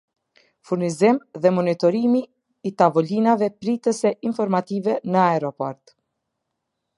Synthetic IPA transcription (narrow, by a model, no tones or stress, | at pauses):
fuɾnizimðɛmɔnit̪ɔɾimiː | t̪avɔlinavɛpɾit̪əsɛʔinfɔɾmat̪ivɛnəaɛɾɔpɔɾt̪